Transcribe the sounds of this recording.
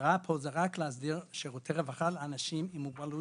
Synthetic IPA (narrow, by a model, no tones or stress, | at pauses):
ʁapʰozeʁaklehazdiʁʃeʁot̪ʰeʁevaχalanaʃimimuɡbalu